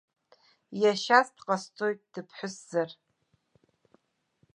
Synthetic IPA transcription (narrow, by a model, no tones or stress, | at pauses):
jaʃasdqʼastʰʼo̞jtʼd̥ɨpʰħʷʊsz̥ar